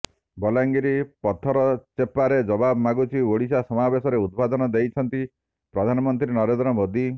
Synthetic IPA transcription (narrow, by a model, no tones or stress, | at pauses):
bɔlaŋɡiɾipɔt̪ʰːɔɾɔt͡ʃepaɾed͡ʒɔbabɔmaɡut͡ʃʰioɽisasɔmabesɔɾeud̪̚bad̪ɔnɔd̪ejt͡ʃʰɔnt̪i | pɾɔd̪ʱanɔmɔnt̪ɾinɔɾend̪ɾɔmod̪ʱi